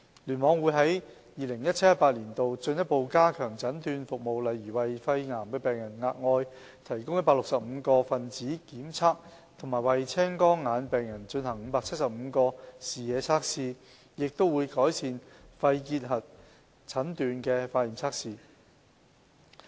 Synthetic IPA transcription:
lyː˨˩nmɔː˨˧˥ŋwuː˨˧jɦɐ˨˥j | jiː˨lɪ˨˩ŋjɐ˥t̚t͡sʰtːjɐ˥tpaː˧t̚liː˨˩nt̪o˨wt͡ʃɵ˧njɐ˥t̚po˧wkaː˥kʰœː˨˩ŋt͡sɐ˨˥nt̪yː˧nfʊ˨k̚mo˨wlɐ˨jɥyː˨˩wɐ˨jfɐ˧jŋaː˨˩mkɛː˧pɛː˨˩ŋjɐ˨˩nŋaː˧t̚ŋɔː˧j | t̪ʰɐ˨˩jkʊ˥ŋjɐ˥paː˧˥lʊ˨ksɐ˨p̚m̩˨˧kɔː˧fɐ˨nt͡siː˨˥kiː˨˥mt͡sʰaː˥k̚ | t̪ʰŋmaː˨˩jwɐ˨jt͡sʰɛː˥ŋkɔː˥ŋːaː˨˧npɛː˨ŋjɐ˨˩nt͡ʃɵ˧nɦɐ˨˩ŋm̩˨˧˥paː˧k̚t͡sʰɐ˥t̚sɐ˨p̚m̩˨˧kɔː˧siː˨jɛː˨˧t͡sʰaː˥k̚siː˨˧ | jɪ˨k̚t̪o˥wu˨˧jkɔː˨˥jsiː˧nfɐ˧jkiː˧t̚ɦɐ˨t̚ | t͡sʰɐ˨˥nt̪yː˧nkɛː˧faː˧tjiː˨˩mt͡sʰaː˥k̚siː˨

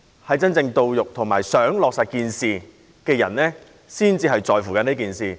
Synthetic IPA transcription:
hɐ˨jt͡sɐ˥nt͡sɪ˧ŋt̪o˧wjʊ˨k̚t̪ʰʊ˨˩ŋmaː˨˩jsœː˨˥ŋlɔː˨k̚saː˨˩t̚kiː˨nsiː˨ | kɛː˧jɐ̰˨˩nlɛː˥ | siː˥nt͡siː˧ɦɐ˨jt͡sɔː˨jfuː˨˩kɐ˨˥ni˥kiː˨nsiː˨

